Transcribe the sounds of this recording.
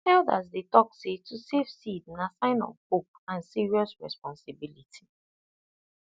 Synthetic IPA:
ɛlda̰zdetɔksetusefsidnasãɪ̃nɔ̰̃mkop̚ãnsiɹiɔsɹɛ̰spɔ̃nsɪbilitʰi̥

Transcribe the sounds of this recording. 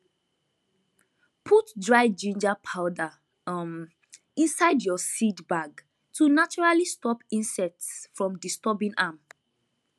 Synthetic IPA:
pʰutdɹaɪd͡ʒĩnd͡ʒapʰaʊda | m | ĩnsaɪdjɔsidbaɡ | tʰunat͡ʃɔɹalistɔpĩnsɛtsfɹɔ̃mdistɔbĩnam

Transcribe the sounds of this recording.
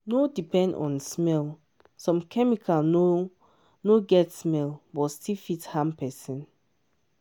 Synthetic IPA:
nodipɛ̃ndɔ̰̃nsmɛl | sɔ̃mkʰɛmikʰalno | noɡɛtsmɛlbɔtstifithãmpɛsĩn

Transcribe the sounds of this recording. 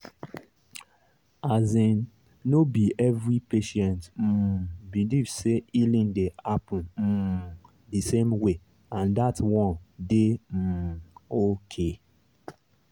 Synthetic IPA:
azĩn | nːobiɛvɾipeʃɛ̃ntm̩bilivseilĩndeapũm̩ | disemwe | ãndatwɔ̃ndem̩okʰe

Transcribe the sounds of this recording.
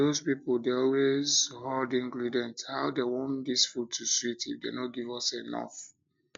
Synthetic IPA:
ozpipɔldeɔlwezhɔldĩŋɡɹidɛ̃nthaʊdewɔ̃ndisfutʰusitḭdenot̚ɡivɔsenɔ̰f

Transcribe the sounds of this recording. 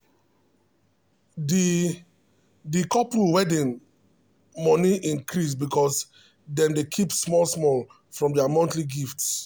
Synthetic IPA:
di | dikɔpɾuwɛdĩn | mɔ̃niʔĩŋkɾis̬bikʰɔs | dɛ̃mdekʰipsmɔlsmɔl | fɹɔ̃mdɛamɔ̃ntliɡifts

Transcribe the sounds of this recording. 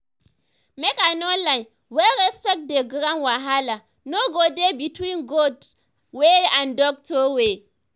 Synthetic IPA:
mekanɔnlaɪn | wɛlɾɛspɛk̚deɡɾãnwaɦala | noɡodebitwĩnɡod | weãndɔk̚tɔwe

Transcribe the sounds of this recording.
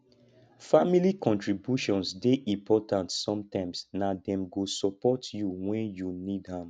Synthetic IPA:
familikʰɔ̃ntɹibjuʃɔ̃nsdeʔĩmpʰɔtʰãntsɔ̃mtãɪ̃msnadɛ̃mɡosɔpɔtjuwɛ̃njunidhãm

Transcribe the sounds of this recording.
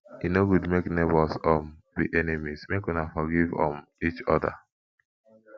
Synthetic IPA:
inoɡudmeknebɔsɔm | bḭʔenemismekwinafɔɡivɔ̰̃mit͡ʃɔda̰

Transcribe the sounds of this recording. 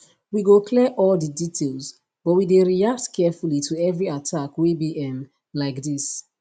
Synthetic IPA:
wiɡokʰlɛʔɔldəditʰelz | b̥ɔt̚wideɹiak̚tkʰɛfulitʰuɛvɹiatʰakwebiʔɛ̃m | laɪkdis

